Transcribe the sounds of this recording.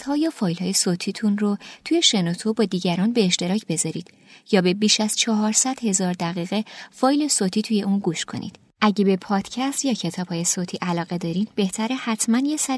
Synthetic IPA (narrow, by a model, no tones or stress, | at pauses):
hɒːjɒːfɒːjlhɒːje̞soːt̪ʰiːt̪ʰunrot̪ʰuːje̞ʃe̞not̪ʰobɒːd̪iːɟæɾɒːnbeːʃt̪e̞ɾɒːcʰb̥e̞zɒɾiːd̪̥ | jɒːbe̞biːʃæz̥t͡ʃʰɒɦɒːɾsæd̪̥he̞zɒːɾd̪æɣiːɣe̞fɒːjle̞soːt̪ʰiːt̪ʰuːje̞uːnɡuːʃkʰo̞̰nʔḭːd̪̥ | ʔæɟebe̞pʰɒːd̪̥cʰæst̪jɒːcʰe̞t̪ʰɒːb̥hɒːje̞soːt̪ʰiːʔælɒːɣe̞d̪ɒːɾiːd̪be̞ht̪ʰæɾehæt̪ʰmænjesæɾ